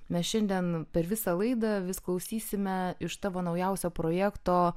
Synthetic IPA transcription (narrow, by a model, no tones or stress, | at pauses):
mʲɛsʃʲɛnʲd̪ʲɛnpʲɛɾʋʲɪsɑlˠɐɪd̪ɐʋʲɪsklˠɐʊsʲiːsʲɪmʲɛɪʃsɑːʋoːnɐʊjɛʊsʲoːpɾoːjæːkt̪oː